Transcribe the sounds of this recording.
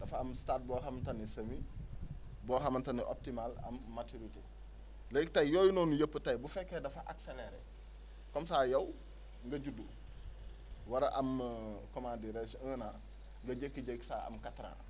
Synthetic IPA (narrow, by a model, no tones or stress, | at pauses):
dɐfaɐmstat̚bɔːɦamtanisɐmi | bɔːɦamantaniʔo̰p̚timalɐ̰mːatuɾitḛ | lejik̚tajjoːjunɔːnujɐpːətɐjbufɛkːedɐfaʔakseleɾḛ | kɔmsaːjɐw | ŋɡɐɟudu | waɾaʔɐmkomandiɾesəːna | ŋɡɐɟekːiɟeksaːɐ̰mkatɾã̰